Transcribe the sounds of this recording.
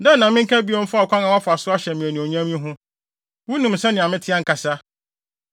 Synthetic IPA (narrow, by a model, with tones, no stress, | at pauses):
dɛ̃˦n˦nã˨mɪ̃˦ŋ̩˦kʰa˦bi˦ɔ˦m̩˦fa˦˨kʰʷã˦ŋã˨wa˦fa˨sʊ˦a˦ɕɛ˨mĩ˨ɛ˨nĩ˨o˨ɲã˦mĩ˦ɦʊ̃˦ | wu˦nũ˨m̩˨sɛ˦nɪ̃˨ã˨mɪ̃˦tʰɪ˦a˦ŋ̩˨ka˨sa˦